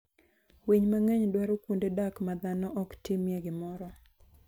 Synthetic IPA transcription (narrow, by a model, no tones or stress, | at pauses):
wiɲmaŋeɲdwaɾokundedakmad̪anɔʔɔktimjeɡɪmɔɾɔ